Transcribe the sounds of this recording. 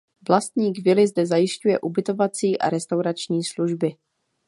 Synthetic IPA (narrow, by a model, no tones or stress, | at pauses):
vlast̪ɲiːkvɪlɪzdɛzajɪʃcujɛ̰ʔubɪt̪o̞vat͡siːʔa̰ɾɛst̪awɾat͡ʃɲiːsluʒbɪ